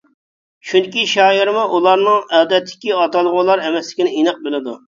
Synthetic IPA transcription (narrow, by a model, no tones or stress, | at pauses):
ʃund̪ɪkʲiʃɑːiɾmuʔulˠɑɾnɨŋɛːd̪ɛt̪ʰːɪ̥kʲiɑt̪ɑlˠʁʊlˠɑɾɛmɛslɪ̥kʲinɪinɨq̚bɪlɪd̪u